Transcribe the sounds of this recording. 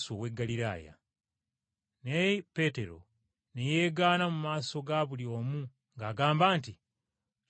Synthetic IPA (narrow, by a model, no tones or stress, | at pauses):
suoweɡːaliɾa̰ːja̰ | nepe̞te̞ɾo̞̰ | nejeːɡaːnamumaːso̞ɡaβuljo̞ːmu | ŋɡaːɡaːmbaːnti